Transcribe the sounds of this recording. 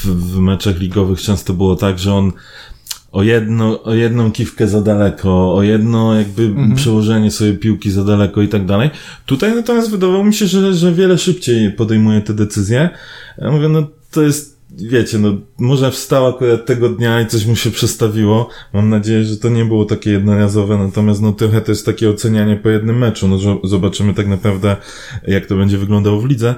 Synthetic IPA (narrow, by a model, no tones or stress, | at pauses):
vmɛt͡ʂaxlʲiɡɔvɘxt͡ʂɛ̃ñst̪ɔbɘwɔt̪aɡʐɛɔn | ɔjɛd̪nɔʔɔjɛd̪nɔ̃w̃kʲifkɛzad̪alɛkʰɔːjɛd̪nɔjaɡ̚bɘpʂɛwɔʐɛɲɛsfɔjejpʲiwkʲizad̪alɛkɔit̪aɡ̚d̪alɛj | t̪ut̪ajnat̪ɔmjast̪vɘd̪avawɔmʲiɕɛʐɛʐɛvʲjɛlɛʂɘpt͡ɕejpɔd̪ɛjmujɛt̪ɛd̪ɛt̪sɘzʲjɛja̰muvʲjɛnɔt̪ɔjɛst̪ | vʲjet͡ɕɛnɔmɔʐɛfst̪awakuɾat̪ːɛɡɔd̪ɲait̪sɔɕmuɕɛpʂɛt̪st̪avʲiwɔmamnad͡ʑejɛʐɛt̪ɔɲɛbɘwɔt̪akʲɛjɛd̪nɔɾazɔvɛnat̪ɔmʲjast̪nɔt̪ɾɔxɛt̪ɔjɛst̪akʲɛɔt̪sɛɲaɲɛpɔjɛd̪nɘmːɛt͡ʂunɔzɔzɔbat͡ʂɘmɘt̪aknapɾavd̪ɛ | jak̚t̪ɔbɛɲd͡ʑɛvɘɡlɔnd̪awɔvlʲid̪zɛ